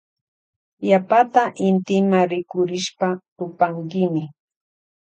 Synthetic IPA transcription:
japat̪aʔɪnt̪ɪmaɾɪkʊɾɪʃpat̪ʊpaŋkɪmɪ

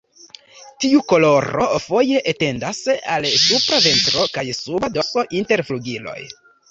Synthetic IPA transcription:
tiuko̞lo̞ɾo̞fo̞je̞ʔete̞ndasalsupɾave̞ntɾo̞kajsubado̞so̞ʔinte̞ɾfluɡilo̞̰j

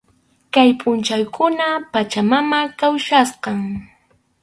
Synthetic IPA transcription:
kajpʼʊnt͡ʃajkʰʊnapat͡ʃamamakawʃasqɑŋ

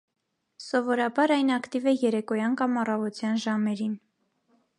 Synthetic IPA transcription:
sɔvɔɾɑbɑɾɑjnɑkt̪ivɛjɛɾɛkɔjɑnkɑmɑrɑvɔt͡s̪jɑnʒɑmɛɾin

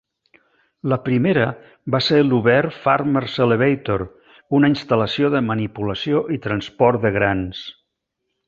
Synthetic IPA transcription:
ləpɾimeɾə | baseluβɛɾfarməɾseleβejt̪oɾ | unəinst̪ələsioðəmənipuləsioʔit̪ɾənspɔrt̪dðəɣɾans

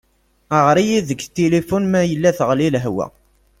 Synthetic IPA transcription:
əʁɾijiðəɡt̪ːelifunmæjəlːæθəʁlilɦwæ̰

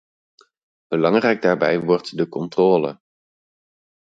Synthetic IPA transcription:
b̥əlɑŋrɛjɡ̚daːɹbɛ̰jʋɔɹtdəkɔntrɔːlə̰

